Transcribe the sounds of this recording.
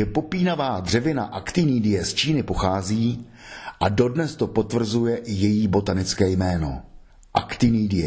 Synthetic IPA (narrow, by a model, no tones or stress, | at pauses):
ɛpo̞piːnavaːd̪r̝ɛvɪna̰ʔakt̪ɪniːdɪjɛst͡ʃiːnɪpo̞xaːziː | ʔado̞dnɛst̪o̞po̞t̪vr̩zujɛʔɪjɛjiːbo̞t̪anɪt͡skɛːjmɛːno̞̰ | ʔa̰kt̪ɪniːdɪjɛ